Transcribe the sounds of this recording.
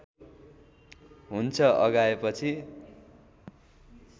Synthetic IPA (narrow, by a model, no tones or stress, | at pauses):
ɦunt͡sʰʌʔʌ̰ɡaepʌt͡sʰi